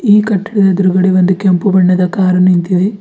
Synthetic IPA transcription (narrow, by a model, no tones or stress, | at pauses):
iːkɐʈːiɽid̪ɐd̪uɾuɡɐɽeʋond̪ukɛmpubɐɳːɐd̪ɐkaːɾɐnint̪id̪e